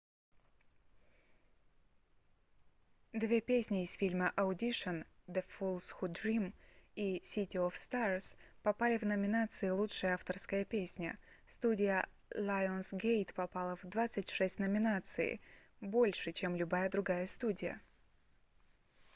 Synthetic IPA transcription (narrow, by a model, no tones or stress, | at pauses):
d̪vʲe̞pʲesʲnʲɪːsfʲilʲməʔɐʊdʲiʂənd̪əfulˠsxud̪ɾʲimisʲitʲɪɔfst̪arspɐpalʲɪvnəmʲɪnat̪sɨɪlˠutʂɨjəaft̪ərskəjəpʲesʲnʲə̰ | st̪udʲɪjə | lʲˠajonsɡʲejt̪pɐpalˠəvd̪vat̪sɨtʲʂɛsʲtʲnəmʲɪnat̪sɨ̰ɪ̰ | bo̞lʲʂɨt͡ɕemlʲʊbajəd̪ɾʊɡajəst̪udʲɪjə̰